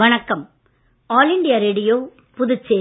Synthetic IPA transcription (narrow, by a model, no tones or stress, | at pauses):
ɐɳɐkːɐm | aːlɪɳɖɪjɐɾeːɽɪjoː | pʊðɯt͡ʃːeː